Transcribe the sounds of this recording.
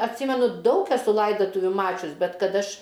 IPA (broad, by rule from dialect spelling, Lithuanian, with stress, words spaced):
ɐtʲˈsʲiːmʲɛnʊ ˈdɐʊk ɛˈsʊ ˈlˠɐɪdɐtʊʋʲʊ ˈmɑːt͡ʃʲʊs ˈbʲɛt ˈkɐt ˈɐʃ